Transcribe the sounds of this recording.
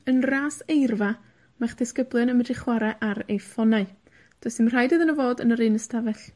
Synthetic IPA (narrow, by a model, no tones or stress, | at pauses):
ənraːsejrva | maχd̥ɪskəblˠjɨnəmədrɪχwaɾɛʔaɾejfɔnaɨ | d̥ɔsɨmr̥ajdɨːðənəvoːdənəɾɨnəstʰavɛɬ